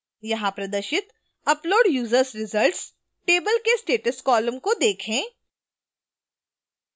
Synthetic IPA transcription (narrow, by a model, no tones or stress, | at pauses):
jɐɦãpɾɐd̪əɾʃɪt̪ | ɐploːɖjuːzəɾsɾɪzəlʈs | ʈeːbəlkesʈeːʈəskɔːləmkod̪eːkʰẽː